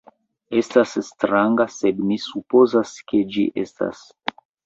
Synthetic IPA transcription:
estasstɾaŋɡased̪misupozasked͡ʒḭʔesta̰s

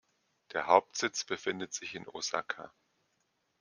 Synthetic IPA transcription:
d̥eːɐɦaʊp̚tz̥ɪt͡sb̥əfɪndətz̥ɪçɪno̰za̰kʰa̰

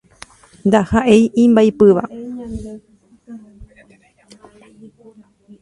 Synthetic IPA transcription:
nd̪ahaʔejʔĩmbajpɨʋa

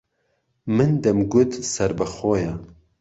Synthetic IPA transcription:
mɨnd̪ɛmɡʊt̪sɛɾbəxoːja

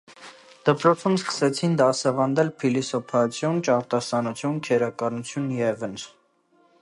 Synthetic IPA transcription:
d̪̥əpɾɔt͡sʰumskə̥sɛt͡sʰind̪ɑsɑvɑnd̪ɛlpʰilisɔpʰɑt͡sʰjɔnt͡ʃɑɾt̪ɑsɑnut͡sʰjunkʰɛɾɑkɑnut͡sʰjunjɛvən

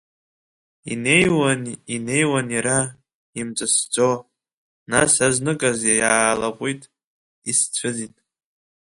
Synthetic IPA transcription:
inejwanine̞jwanjaɾa | imt͡sʷʼɨsd͡zʷʼo | nasaznɨkʼazajaːlaqʷʼitʼ | ist͡ɕʷʰɨzitʼ

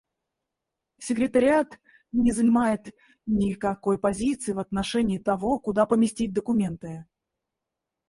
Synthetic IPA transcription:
sʲɪkɾʲɪt̪əɾʲɪat̪ | nʲɪzənʲɪmajɪt̪ | nʲɪkɐko̞jpɐzʲit̪sɨɪvɐt̪nɐʂɛnʲɪːt̪ɐvo̞kʊd̪apəmʲɪsʲtʲit̚ʲd̪əkʊmʲe̞nt̪ɨ

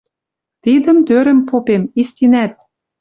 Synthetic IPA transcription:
t̪id̪ə̆mt̪øɾə̆mpopemist̪ʲinæt̪̚

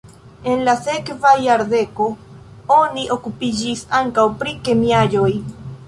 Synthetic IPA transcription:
e̞nlase̞kvajaɾd̪e̞ko̞ | oniʔo̞kupid͡ʒisaŋkawpɾike̞miaʎoj

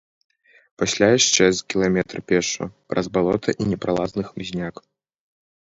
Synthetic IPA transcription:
pasʲlʲajaʂt͡ʂɛzkʲilˠamʲɛt̪rɨpʲɛʂṵpɾʔɐzbalˠɔt̪ʰɐʔinʲɛpɾalˠaznɨxmʲzʲnʲak

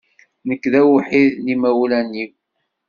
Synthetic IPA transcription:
nəkːðæwħiðlimæwlænːiw

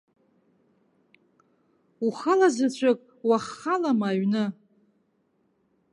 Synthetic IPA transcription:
uχalazat͡ɕʷʰakʼ | waχalamaːɥnɨ

